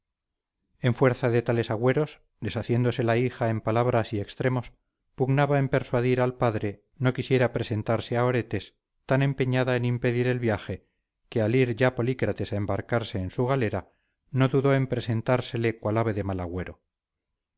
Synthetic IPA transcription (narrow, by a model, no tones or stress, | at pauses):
e̞ɱfwe̞ɾθaðe̞t̪ale̞saɣwe̞ɾo̞s | d̪e̞saθje̞nd̪o̞se̞laixae̞mpalaβɾasiekst̪ɾe̞mo̞s | puɣnaβaempe̞ɾswaðiɾalpaðɾe̞ | no̞kisje̞ɾapɾe̞se̞nt̪aɾse̞ao̞ɾe̞t̪e̞s | t̪anẽ̞mpeɲaðaenimpe̞ðiɾe̞lβjaχe̞ | kealiɾʝapo̞likɾat̪e̞saembaɾkaɾse̞ːnsuɣ̞ale̞ɾa | no̞ðuðo̞e̞mpɾe̞se̞nt̪aɾse̞le̞kwalaβe̞ðe̞malaɣwe̞ɾo̞